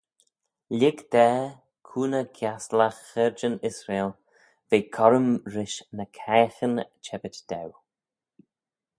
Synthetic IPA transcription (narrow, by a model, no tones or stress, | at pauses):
lɪɡd̪̥ɛː | kʰuːnəkʰjaslaxɛɹd͡ʒənɪsɾeːl | veːkʰɔɾəmɾɪʃnəkʰɛːxənt͡ʃʰɛbət͡ʃd̪̥ɛw